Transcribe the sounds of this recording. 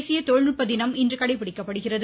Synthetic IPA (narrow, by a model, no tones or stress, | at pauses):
sɪjɐt̪ɔɻnɯʈpːɐd̪ɪnɐmɪndrɯkɐɽɐɪpːɪɽɪkːɐpːɐɽɯɣɪrɐð